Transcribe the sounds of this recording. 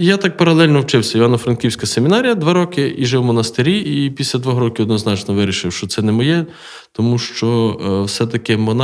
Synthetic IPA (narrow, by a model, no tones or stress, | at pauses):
jat̪ɑk̚pɐɾɐlˠɛlʲnɔwt͡ʃɪwsʲɐiʋɑnɔfɾɐnkʲiwsʲkɐsemʲɪnɑɾʲijɐd̪ʋɑɾɔkɪiʒɪwmɔnɐst̪eɾʲiipʲisʲlʲɐd̪ʋɔɦɾɔkʲɪɔd̪nɔznɑt͡ʃnɔʋɪɾʲiʃɪwʃt͡ʃɔt̪sɛnɛmɔjɛ | t̪ɔmuʃt͡ʃɔwsɛt̪ɐkɪmɔn